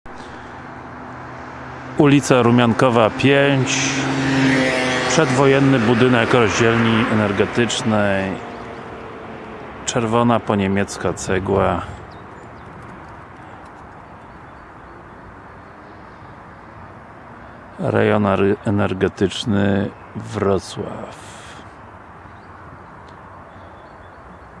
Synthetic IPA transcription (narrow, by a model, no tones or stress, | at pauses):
ulʲit̪saɾumʲjaŋkɔvapʲjeɲt͡ɕ | pʂɛd̪vɔjɛnːɘbud̪ɘnɛkɾɔʑd͡ʑɛlɲiɛnɛɾɡɛt̪ɘt͡ʂnɛj | t͡ʂɛɾvɔnapɔɲemʲjɛt̪skat̪sɛɡwa | ɾɛ̰jɔnɛnɛɾɡɛt̪ɘt͡ʂnɘ | vɾɔt̪swa̰f